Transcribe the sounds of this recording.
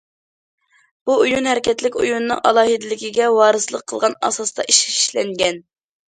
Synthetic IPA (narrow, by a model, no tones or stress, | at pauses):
b̥uujunhɛɾɪkʲʰɛt̪lɪkʲujunːɨ̰ŋʔɑ̰lˠɑːɦɨd̪ɪlɪkʲiɡʲɛwɑːɾɨsɨlˠəqʰːəlˠʁɑnɑ̰sɑst̪ɑ̰ʔiʃiʃlɛŋɡʲɛn